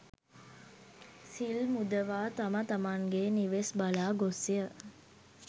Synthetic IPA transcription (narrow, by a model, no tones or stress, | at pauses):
silmud̪əʋaːt̪amət̪amaŋɡeːniʋesbalaːɡosːijə